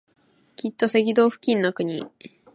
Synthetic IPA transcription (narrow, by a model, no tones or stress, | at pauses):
kʲit̪ːo̞se̞ɡʲid̪o̞ːɸɯ̟̥kʲĩnːokɯ̟ɲ̟i